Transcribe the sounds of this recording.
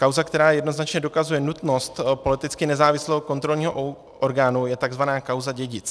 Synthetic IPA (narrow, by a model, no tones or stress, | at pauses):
kawzakt̪ɛɾaːjɛdno̞znat͡ʃɲɛdokazujɛnut̪no̞st̪po̞lɪt̪ɪt͡skɪnɛzaːvɪslɛɦoko̞nt̪ɾo̞lɲiːɦoʔ | ʔoɾɡaːnujɛt̪aɡzvanaːkawzaɟɛɟɪt͡s